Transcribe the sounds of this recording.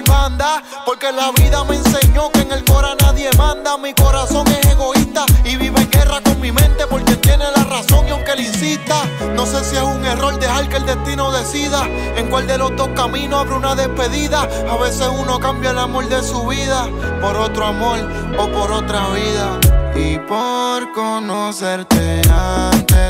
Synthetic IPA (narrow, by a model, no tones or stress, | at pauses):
mand̪a | po̞ɾke̞laβiðame̞nse̞ɲo̞keŋe̞lko̞ɾanaðje̞mãnd̪amiko̞ɾaso̞ŋe̞se̞ɣo̞ist̪aiβiβeeŋɡe̞rako̞ŋmĩmẽ̞nt̪e̞po̞ɾket̪je̞ne̞laraso̞ŋiawŋkelinsist̪a | no̞se̞sie̞suŋe̞ro̞ld̪e̞halkeld̪e̞ht̪inoðe̞siða | eŋkwald̪e̞lo̞zd̪o̞hkamĩnoaβɾunaðe̞hpe̞ðiða | aβe̞se̞suno̞kambjalamo̞ld̪e̞suβiða | po̞ɾo̞t̪ɾoamo̞ɾ | o̞po̞ɾo̞t̪ɾaβiðaipoɾkonoseɾt̪eant̪e